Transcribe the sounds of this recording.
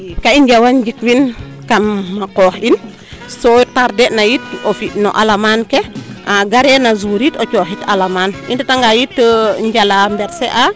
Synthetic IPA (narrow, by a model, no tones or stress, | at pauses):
kaiɲɟawand͡ʒikwin | kamːakoːhin | sotaɾdenajitofino̰ʔalamankeʔaɡaɾenazuɾitot͡ʃoːhitalamaːnindataŋɡajitːəɲɟalambɛɾseʔa